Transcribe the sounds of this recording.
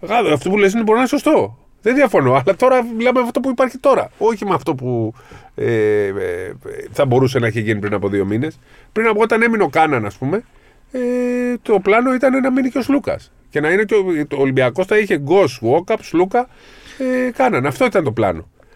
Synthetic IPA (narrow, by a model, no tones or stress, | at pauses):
ɣɐɐft̪o̞puleis̬ineboɾinso̞st̪o̞ | ðenðiɐfo̞noɐlɐt̪o̞ɾɐmilɐmemɐft̪opuipɐɾçit̪o̞ɾɐ̰o̞çimɐft̪o̞pu | e | θɐbo̞ɾuse̞nɐiçeʝinipɾinɐpo̞ðio̞mine̞s | pɾinɐpoot̪ɐne̞mino̞kɐnɐnɐspume̞ | et̪o̞plɐno̞it̪ɐnenɐminiceoslukɐ̰s | ce̞nɐineceooːlimbiɐko̞sθɐiçe̞ɡo̞so̞kɐpslukɐ | ekɐnɐnɐft̪o̞it̪ɐnt̪o̞plɐ̰no̞̰